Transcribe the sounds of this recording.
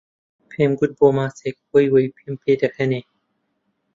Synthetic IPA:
pʰemɡut̪̚bomaːsek̚wojwujpʰimpʰed̪akʰane

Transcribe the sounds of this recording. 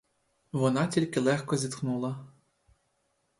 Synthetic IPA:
ʋɔnɑtʲilʲkɪlˠɛxkɔzʲit̪knulˠɐ

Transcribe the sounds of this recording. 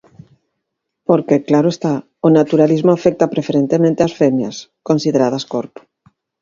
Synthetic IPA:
poɾkeklaɾoest̪a | onat̪uɾalizmoafɛk̚t̪apɾefeɾent̪emẽnt̪easfemja̰skonsiðeɾað̞ɐskoɾpo̥

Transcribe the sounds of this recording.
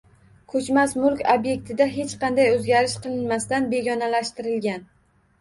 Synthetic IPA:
kʰɵt͡ʃmasmʊlˠkʲobje̞k̚ʲt̪ʰɪd̪aɦe̞t͡ʃqɑnd̪ajɵzɡʲaɾɪʃqɨlˠɪnmast̪anbe̞ɡʲɒnalaʃt̪ɪɾɪlɡʲan

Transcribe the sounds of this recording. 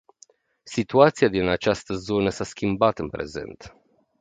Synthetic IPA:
sit̪uat̪siad̪inat͡ʃast̪əzo̞nəsaskʲimbat̪ɨnpɾe̞̰ze̞̰nt̪

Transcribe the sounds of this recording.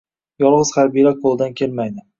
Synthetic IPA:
jɒlˠʁɨz̥χaɾbijlaqʰolˠd̪ankʲʰe̞lmajd̪ɪ

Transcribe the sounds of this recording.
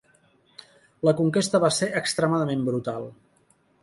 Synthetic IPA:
ləkuŋkest̪əβaseʔəkst̪ɾəmaðəmembɾut̪alˠ

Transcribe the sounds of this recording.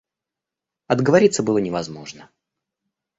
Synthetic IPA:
ɐd̪ɡəvɐɾʲit̪səbɨlˠənʲɪvɐzmo̞ʐnə

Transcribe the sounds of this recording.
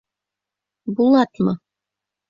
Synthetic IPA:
bulˠɑt̪mɤ

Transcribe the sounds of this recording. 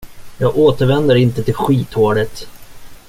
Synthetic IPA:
jɑːɡoːt̪əɾvɛnd̪əɾɪnt̪ət̪ʰɪlɧiːt̪hoːɖət̪

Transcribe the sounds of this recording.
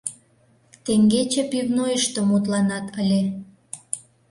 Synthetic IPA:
t̪eŋɡet͡ɕepivnojəʃt̪ə̆mut̪̬lɑnɑt̪əlʲe

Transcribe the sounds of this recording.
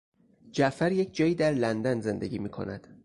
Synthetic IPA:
d͡ʒæʔfæɾje̞cʰd͡ʒɒːjiːd̪æɾlænd̪ænze̞nd̪eɟʲiːmiːkʰo̞̰næd̪̥

